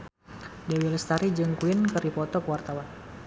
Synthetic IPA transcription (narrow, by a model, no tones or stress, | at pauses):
dɛwiləst̪aɾid͡ʒɨŋkuɪnkəɾipɔt̪ɔkəwart̪awan